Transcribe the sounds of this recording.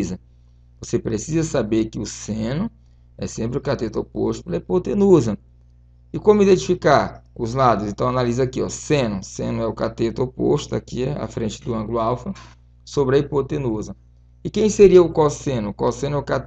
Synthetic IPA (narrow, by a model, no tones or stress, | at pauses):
zɐ | vosepɾesizɐsabeɾkɪʊsẽnʊ | ɛsẽmpɾɪʊkat̪et̪opo̰ʃt̪ʊ̥pelɐipot̪enuzɐ | ɪkõmʊid̪ẽnt͡ʃifikaɾʊzlad̪ʊzẽnt̪ɐ̃w̃analizɐakiɔ̰sẽnʊsḛ̃nʊɛʊkat̪et̪opo̰ʃt̪ʊakia̰fɾẽnt͡ʃɪd̪ʊɐ̃ŋɡlʊawfɐ | sobɾɪɐipot̪enuzɐ | ɪkẽj̃seɾiɐʊkwawsẽnʊkwawsẽnʊɛʊkat̪